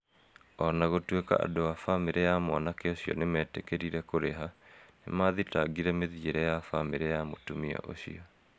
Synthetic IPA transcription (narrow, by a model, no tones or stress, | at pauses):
ɔnaɣotweka̰a̰doafameɾɛjamwanakɛoɕiɔ̰nemɛtɛkeɾiɾɛkoɾeɦanḛmaðitaɡiɾɛmeðieɾɛjafameɾɛjamotumia̰ʔo̰ɕḭɔ